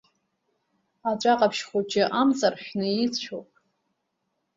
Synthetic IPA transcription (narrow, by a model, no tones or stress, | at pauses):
at͡ʃʷʼaqʼapʰʃχʷut͡ʃʰʼɪʔamt͡sʼarħʷᶣnɨit͡st͡ʃʷʰopʼ